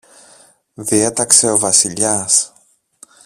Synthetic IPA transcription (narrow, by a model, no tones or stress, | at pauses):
ðie̞t̪ɐkse̞o̞vɐsiʎɐs